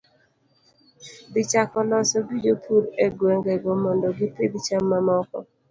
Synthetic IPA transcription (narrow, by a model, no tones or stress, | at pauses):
d̪ɪt͡ʃakɔlɔsɔɡid͡ʒopʰuɾeɡwɛŋɡɛɡomɔndɔɡɪpedt͡ʃamːamɔkɔ̰